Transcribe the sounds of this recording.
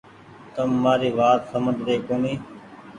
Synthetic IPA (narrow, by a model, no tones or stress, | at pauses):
t̪əmːaːɾiːʋaːt̪səməd̪ʱɾeːkoːniː